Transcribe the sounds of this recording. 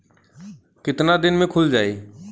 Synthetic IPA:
kɪt̪nad̪ɪnmẽkʰʊld͡ʒaːeː

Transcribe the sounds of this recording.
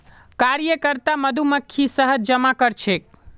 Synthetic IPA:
kaɾjəkəɾt̪aməd̪ʱuməkʰːisəɦəd͡ʒd͡ʒəmakəɾt͡ʃʰek̚

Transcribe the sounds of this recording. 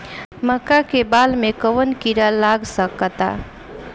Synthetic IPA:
məkːakebaːlmẽkəwənkiɾalaɡsəkt̪a̰

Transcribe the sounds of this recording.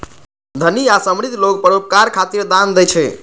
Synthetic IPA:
d̪ʱəniasəmɾit̪lok̚pəɾop̚kaɾkʰat̪iɾd̪and̪ɛt͡ʃʰɛ

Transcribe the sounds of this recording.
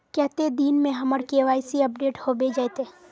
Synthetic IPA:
kɛɦt̪ed̪iːnmẽɦɐməɾkeʋaːjsiɐp̚ɖeːʈhobed͡ʒajt̪eː

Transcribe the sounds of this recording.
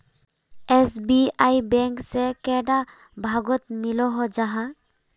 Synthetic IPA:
esbiajbɛ̃ŋksekɛɖa | bʱaɡɔt̪milɔɦɔd͡ʒaɦã

